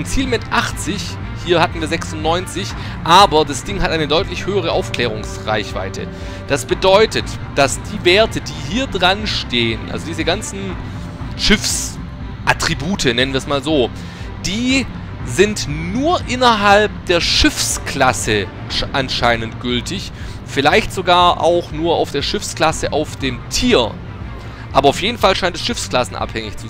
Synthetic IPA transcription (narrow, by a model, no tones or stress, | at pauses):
nt͡siːlmɪtʔaχt͡sɪç | hiːɐhatn̩viːɐzɛksʊntnɔʏnt͡sɪç | ʔaːbɐdasd̥ɪŋhatʔaɪnədɔʏtlɪçhøːəʁ̞əʔaʊfkl̥ɛːʁ̞ʊŋsʁa̰ɪçv̥a̰ɪtʰə̰ | d̥asb̥ədɔʏtət | d̥asd̥iːveːɐtʰədiːɦiːɐdʁanʃteːənʔa̰lzodiːzəɡant͡sn̩ | ʃɪfs | ʔatʁ̥ibuːtʰənɛnənviːɐɛsmaːlzoː | d̥iː | zɪntnuːɐʔɪnɐɦalp̚d̥eːɐʃɪfskʰlasə | ʔanʃaɪnəntɡ̥ʏltɪç | fɪlaɪçtz̥oɡaːɐʔa̰ʊxnuːɐʔa̰ʊfd̥eːɐʃɪfskl̥asəʔaʊfd̥eːmtʰiːɐ | ʔaːbɐaʊfjeːdn̩falʃaɪntɛsʃɪfskl̥asn̩ʔa̰phɛŋɪ̰çt͡su